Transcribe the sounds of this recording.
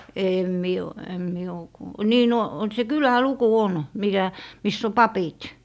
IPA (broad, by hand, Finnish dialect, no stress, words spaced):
eˑm mie o em mie o kuː niː no se kylæluku on mikæ misː o pɑpit